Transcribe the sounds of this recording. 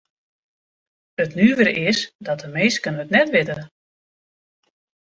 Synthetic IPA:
ətnyːʋərɪsdɔt̚əmeːskənətnɛtʋɪtə

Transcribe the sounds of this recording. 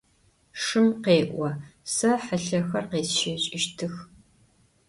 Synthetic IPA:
ʂɨmqeːʔʷɔsɐħəɬɐxɐrqeːsʃeɕʼɪʃtʰɨx

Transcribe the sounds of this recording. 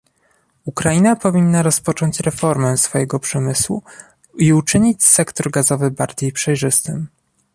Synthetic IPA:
ukɾajinapɔvʲinːaɾɔspɔt͡ʂɔɲt͡ɕɾɛfɔɾmɛsfɔjɛɡɔpʂɛmɘswṵ | iut͡ʂɘɲit͡ɕsɛkt̪ɔɾɡazɔvɘbaɾd͡ʑejpʂɛjʐɘst̪ɘm

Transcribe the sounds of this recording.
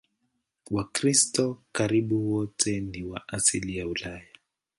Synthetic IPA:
wakɾistɔkaɾiɓuwɔtʰɛniwaʔasilijaulaja

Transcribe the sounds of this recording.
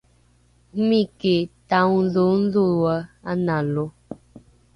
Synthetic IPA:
m̩miketan̩zon̩zuwəanalo

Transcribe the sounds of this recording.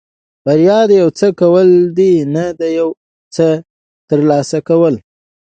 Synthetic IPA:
baɾjɑd̪jawt͡səkawəld̪inad̪əjaw | t͡sə | t̪əɾlɑsakawəl

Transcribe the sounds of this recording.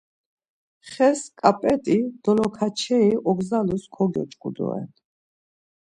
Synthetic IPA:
χɛskʼapʼɛt̪ʼid̪̥ɔlɔkʰat͡ʃʰɛiʔɔɡzaluskʰɔɡjɔ̰t͡ʃʼkʼud̪ɔ̰ɛ̰n

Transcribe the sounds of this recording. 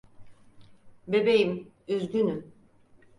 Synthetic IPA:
bebejim | yzɡ̪yny

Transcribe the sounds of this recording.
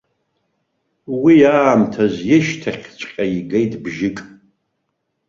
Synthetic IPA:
wiaːmtʰazjɪʃtʰaχʲt͡ʃʷʰʼqʲʼajiɡejtʼbʒɪkʼ

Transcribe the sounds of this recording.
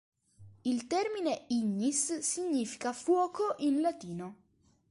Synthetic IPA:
ilt̪ɛrmineiɲːisːiɲːiːfi̥kafwɔːkʰoʔinlat̪iːno

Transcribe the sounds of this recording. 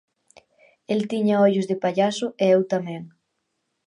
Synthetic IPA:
elt̪iɲaɔʎuzðepaʎasʊʔeewt̪amẽŋ

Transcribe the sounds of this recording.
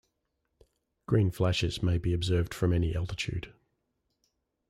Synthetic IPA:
ɡ̥ɹĩːnflaʃɪz̥meɪbiəbzɜːvd̥fɹə̃mɛniʔa̰lˠtɪt͡ʃʰʉ̰ːd̥

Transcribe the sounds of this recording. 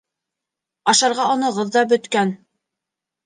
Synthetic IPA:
ɑʃɑɾʁɑŏnɤʁɤ̆ðːɑbɵ̆t̪kæn

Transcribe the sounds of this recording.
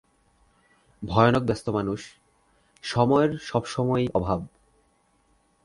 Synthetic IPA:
bʱɔeonok̚bɛst̪omanuʃ | ʃɔmɔeɾʃɔbʃɔmɔejɔbʱab

